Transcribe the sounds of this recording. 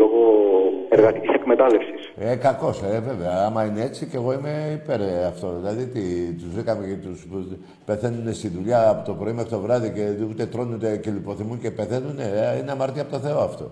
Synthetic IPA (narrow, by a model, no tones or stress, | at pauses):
loɣoeɾɣɐt̪icisekmet̪ɐlefsisekɐko̞seve̞veɐɐmɐineet͡siceɣo̞imeipe̞ɾɐft̪o̞ðilɐðiot̪it̪uzvɾikɐme̞cet̪us | pe̞θe̞nune̞st̪iðuʎɐːpot̪o̞pɾo̞imeft̪ot̪ovɾɐðice̞ut̪e̞t̪ɾo̞nunt̪ecelipo̞θimunce̞pe̞θe̞nuneineɐmɐɾt̪iɐpot̪oθe̞oɐft̪o̞̰